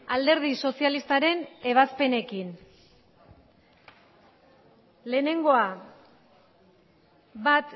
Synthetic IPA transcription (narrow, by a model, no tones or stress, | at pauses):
ald̪e̞ɾð̞iso̞sialist̪aɾe̞ne̞β̞aspe̞ne̞kin | le̞ːne̞ŋɡo̞a | bat̪